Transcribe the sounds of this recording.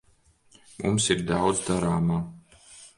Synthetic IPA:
mṵmsiɾd̪awd̪zd̪aɾaːmaː

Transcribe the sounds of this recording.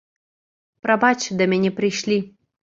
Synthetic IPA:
pɾɐbat͡ɕd̪ɐmʲɛnʲɛpɾɨjʃlʲi

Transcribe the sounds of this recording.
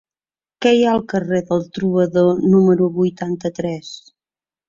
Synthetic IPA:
kɛjaəlˠkəreðəlˠt̪ɾuβəðonuməɾuβujt̪ant̪ət̪ɾɛs

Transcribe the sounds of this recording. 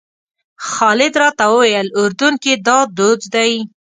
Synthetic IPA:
xɑlɪd̪ɾɑt̪awəwajəlʊɾd̪uŋkid̪ɑd̪od͡zd̪aj

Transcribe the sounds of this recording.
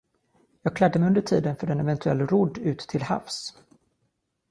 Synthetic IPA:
jɑːɡ̚kʰlad̪ːəmɛjɵnd̪əʈʰiːd̪ənfœɖɛnɛvɛnt̪ʰɵɛ̰lːɾʊd̪ːʉ̟ːt̪ʰːɪlha̰fs

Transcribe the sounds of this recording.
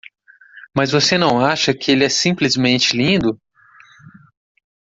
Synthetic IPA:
mɐzvosenɐ̃w̃aʃɐkɪelɪɛsĩplɪzmẽnt͡ʃɪlĩnd̪ʊ

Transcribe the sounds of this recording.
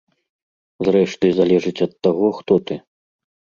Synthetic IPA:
zrɛʂt̪ɨzalʲɛʐɨt͡sʲɐt̪ːaɣɔxt̪ɔt̪ɨ

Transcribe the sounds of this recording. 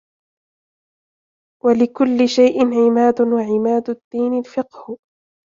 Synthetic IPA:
walɪkʊlːɪʃajʔɪnʕɪmaːd̪ʊwaʕɪmaːd̪ʊd̪̥ːiːnɪlfɪqh

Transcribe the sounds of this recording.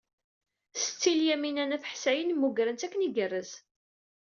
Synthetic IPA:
sə̥t͡sːiljæminænæθəħsæjənmːuɡɾənt̪ækːəniɡərːəz

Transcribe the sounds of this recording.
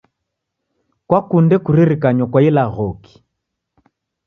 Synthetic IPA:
kwakundɛkuɾiɾikaɲwakwailaɣɔki̥

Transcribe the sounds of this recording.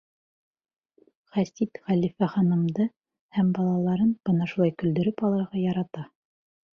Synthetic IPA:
χæst̪it̪χælifæχɑnɤ̆md̪ɤ | hæmbɑlˠɑlˠɑɾɤnb̥ɤnɑʃulˠɑjkɵ̆ld̪ɵ̆ɾɵpɑlˠɑɾʁɑjɑɾɑt̪ɑ

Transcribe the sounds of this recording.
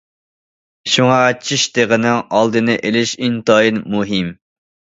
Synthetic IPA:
ʃuŋɑt͡ʃʰiʃd̪eʁənɪŋɑlˠd̪ɨnɨʔelɪʃint̪ɑjinmuɦim

